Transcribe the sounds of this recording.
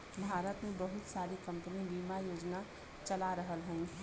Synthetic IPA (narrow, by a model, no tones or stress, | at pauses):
bʱaːɾət̪mẽbəɦʊt̪saːɾikə̃mpənibiːmajoːd͡ʒna | t͡ʃəlaɾəɦəlɦɛ̃